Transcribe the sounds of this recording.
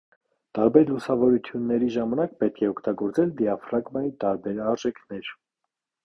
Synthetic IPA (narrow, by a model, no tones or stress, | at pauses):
t̪ɑɾbɛɾlusɑvɔɾut̪ʰjunːɛɾiʒɑmɑnɑk̚pɛt̪̚kʰɛɔkʰt̪ɑɡɔɾt͡sɛld̪iɑfɾɑɡmɑjit̪ɑɾbɛɾɑɾʒɛkʰnɛɾ